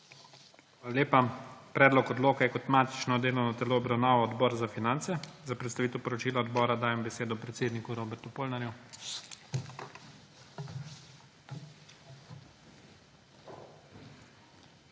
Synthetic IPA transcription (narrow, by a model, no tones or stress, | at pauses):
xaːlaleːpapɾɛːd̪lɔkɔd̪loːkajɛkɔt̪maːt̪i̥t͡ʃnɔd̪eːlɔwnɔt̪ɛloɔbɾawnaːʋɔɔd̪bɔːɾzafinant̪sɛzapɾɛt̪st̪aʋiːt̪ɛwpɔɾɔt͡ʃiːlaɔd̪bɔːɾad̪aːjɛmbɛseːd̪ɔpɾɛt̪seːd̪nikuɾoːbɛɾt̪upoːlnaɾju